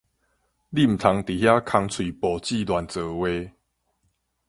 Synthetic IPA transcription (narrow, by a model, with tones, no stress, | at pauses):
li˥˨m̩˨t̪ʰa˨˦ŋt̪i˨˩hja˦kʰa˧ŋt͡sʰwi˨˩pɔ˨˩t͡ɕi˥˧˨d̪wa˨˩nt͡sɤː˨˦we˧˦